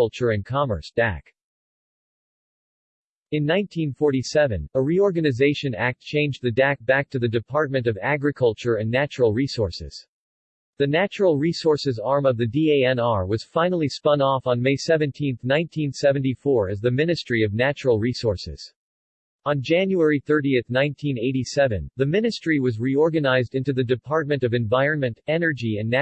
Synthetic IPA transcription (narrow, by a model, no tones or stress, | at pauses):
ʌlˠt͡ʃə˞ɨ̃nkʰɑmə̰˞sd̥æ̰k | ɨ̃nːãɪ̃ntʰĩnfɔɹɾisɛvɨ̰̃nəɹiɔɹɡɨnɨzeɪʃɨ̃næk̚tt͡ʃʰẽɪ̃nd͡ʒðɨdæk̚b̥æk̚tʰɨðɨdɨpʰɑɹt̚mɨ̃ntʌvæɡɹɨkʰʌlˠt͡ʃə˞ɨ̃nːæt͡ʃəɹl̩ˠɹisɔɹsɪ̰z̥ | ðɨnæt͡ʃɹl̩ˠɹisɔɹsɨzɑɹmʌvðɨdieɪɛ̃nɑɹwʌz̥fãɪ̃nl̩ˠispʌ̃nɔfn̩meɪsɛvɨ̃ntʰĩnθnãɪ̃ntʰĩnsɛvɨ̃n̩tifɔɹɨzðɨmɪ̃nɨstɹ̥iʌvnæt͡ʃəɹl̩ˠɹisɔɹsɪ̰z̥ | ə̃nd͡ʒæ̃njuɛɹiθɜ˞ɾiɨθnãɪ̃ntʰĩneɪɾisɛvɨ̰̃nðɨmɪ̃nɨstɹ̥iwʌzɹiɔɹɡɨnaɪzdɪ̃ntʉðɨdɨpʰɑɹt̚mɨ̃ntʌvɨ̃ɱvaɪɹɨ̃nmɨ̃ntɛnə˞d͡ʒiɨ̃nːæ